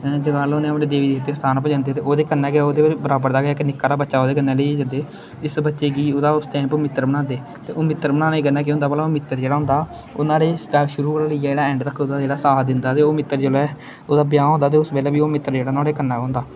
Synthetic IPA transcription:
d͡ʒɡaloːnẽːəpɽẽːd̪eːʋiːd̪iːɦt̪ːeːst̪ʰaːnpəd͡ʒãːnd̪eːt̪eːʔoːd̪eːkənːɛːɡaːoːd̪eːbəɾaːbəɾd̪aːɡːɪknɪkːaːɾaːbətːʃaːoːd̪eːkənːɛːləeːd͡ʒənd̪eː | ɪsbətːʃeːkiːoːd̪aːʊsʈɛ̃ːmpoːmɪt̪ːəɾbəɽ̃ãːnd̪eː | t̪eːʔoːmɪt̪ːəɾbənaːnaiːɡənːaːkɪɦʊ̃nd̪aːbəːlaːoːmɪt̪ːəɾd͡ʒeːɽaːɦʊ̃nd̪aː | oːnãːɽeːaʃʊɾuːɽaːləiːad͡ʒeːɽaːɛ̃ːɳɖɾəkʰːod̪aːd͡ʒeːɽaːsaːd̪ɪnd̪aːt̪eːoːmɪt̪ːəɾd͡ʒelɛː | oːd̪aːbɪjãːɦõnd̪aːt̪eːʊsbɛːlɛːbiːoːmɪt̪ːəɾd͡ʒeːɽaːnãːɽeːkənːaːɦõːnd̪aː

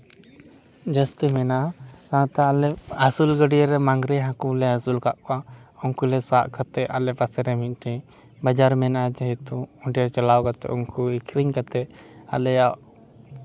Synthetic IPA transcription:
d͡ʒast̪ɛmɛnat̪ãt̪aːlɛasulɡəɖiaɾɛmaŋɡɾɛɦãkulɛasulkaʔkaɔŋkulɛsaʔkat̪ɛʔalɛpasɛɾɛmit̪̚ˀʈʰɛ̃ | bad͡ʒaɾmɛnad͡ʒaɦɛt̪uɔɳʈaɾt͡ʃalawkat̪ɛ̰ʔɔŋkuikʰɾiɲkat̪ɛa̰lɛjaʔ

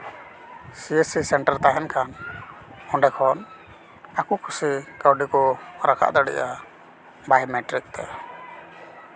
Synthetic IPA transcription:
siɛsisɛɳʈaɾt̪aɦɛnkʰan | ɔɳɖɛkʰɔn | akukʰusikawɖikɔɾakʰa̰ʔd̪aɽḭʔa | bajmɛʈɾik̚t̪ɛ̰

